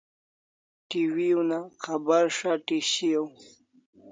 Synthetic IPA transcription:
ʈiwiunaqabaɾʂaʈiɕijaw

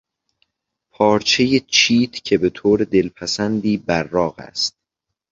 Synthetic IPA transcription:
pʰɒːɾt͡ʃʰe̞jet͡ʃʰiːt̪ʰcʰe̞be̞t̪ʰoːɾe̞d̪e̞lpʰæsænd̪iːbæɾːɒːɣæ̰st̪̚

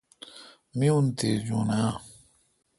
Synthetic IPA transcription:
miunted͡ʒuna

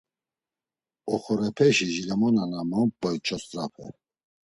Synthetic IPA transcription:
ɔχɔɾɛpʰɛʃiʒilɛmɔnanamɔmp̚bɔjt͡ʃʰɔszapʰɛ̰

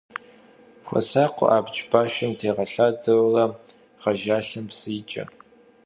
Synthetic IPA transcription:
xʷɔ̰saːqʷʊ̰ʔaːbt͡ʃʼbaːʃɐmtʰeːʁɐɬaːdɐwrɐ | ʁɐʒaːɬɐmpsɨːt͡ʃʼɐ̰

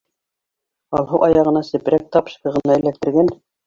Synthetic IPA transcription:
ɑlˠɦɤwʔɑjɑʁɤ̆nɑsɘ̆pɘ̆ɾæk̚t̪ɑpʃkɤ̆ʁɤ̆nɑɘ̆læk̚t̪ɘ̆ɾɡæn

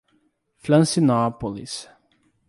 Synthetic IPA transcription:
flãnsinapɔlḭs

